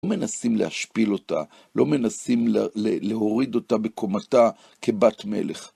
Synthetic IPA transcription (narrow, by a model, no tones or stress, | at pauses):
ome̞nasimlḛaʃpilo̞ta̰ | lo̞me̞nasimleleɦoʁid̪o̞tabekʰo̞mata | kʰe̞batme̞̰leχ